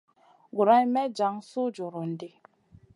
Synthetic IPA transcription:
ɡu˨ɾa˦ɲ˦mɛ˦d͡ʒa˨˦ŋ˦sʊ˦d͡ʒʊ˨ɾʊ˨n̩˨dɪ˦

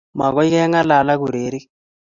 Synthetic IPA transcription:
ma̰˨ɣɔ˦i˦kɛ˦ŋa˦la˨la˦ɣu˨ɾe˨˦ɾi˦k

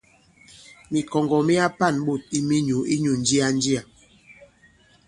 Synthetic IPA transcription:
mi˨kɔ˨ŋɡɔ˨mi˦a˦pa˦˨nɓo˦˨t̚i˦mi˦ɲu˨i˦ɲu˨n˦d͡ʒi˦a˦n˦d͡ʒi˦a˨

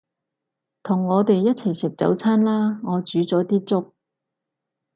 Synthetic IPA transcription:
t̪ʰʊ˨˩ŋːɔː˨˧t̪e˨jːɐ˥t̚t͡sʰɐ˨˩jsɪ˨p̚t͡sɐ̰˨˥wt͡sʰaː˥nlaː˥ŋɔː˨˧t͡ʃyː˨˥t͡sɔː˨˥t̪iː˥t͡sʊ˥k̚

